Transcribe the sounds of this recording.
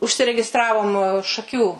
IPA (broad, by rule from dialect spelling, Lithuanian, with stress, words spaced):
ʊʃʲsʲɪrʲɛɡʲɪˈstrɑːʋoːm ʃɐˈkʲuː